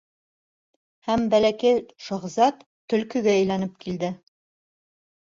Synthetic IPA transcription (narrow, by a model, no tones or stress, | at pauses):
hæmbælækæjʃŏʁzɑt̪ːɵ̆lkɵ̆ɡæɘ̆jlænɘp̚kʰild̪ɘ